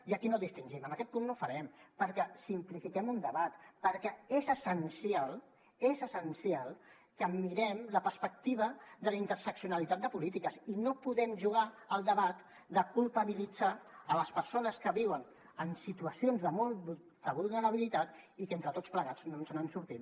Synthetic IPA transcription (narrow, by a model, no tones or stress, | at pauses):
iəkinodist̪inʒiməməkɛt̪̚punːofəɾɛmpəɾkɛsimplifikɛmund̪əβat̪pəɾkɛezəsənsialˠ | ezəsənsialˠ | kəmiɾɛmləpəɾspək̚t̪iβ̞əðələint̪əɾsəksiunəlit̪at̪̚d̪əpulit̪ikəsinopuðɛmʒuɣ̞aəlˠd̪əβat̪ | d̪əkulˠpəβilid͡zaələspəɾsonəskəβiwən | ənsit̪uəsionzðəβo | d̪əβulˠnəɾəβ̞ilit̪at̪ikent̪ɾət̪ott͡spləɣad͡zz̥nonsənansuɾt̪in